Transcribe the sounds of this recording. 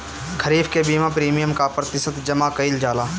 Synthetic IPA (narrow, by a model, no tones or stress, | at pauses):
kʰəɾiːbkebiːmãpɾiːmijəmkapɾət̪ɪsət̪d͡ʒɐmakəɪld͡ʒaːlaː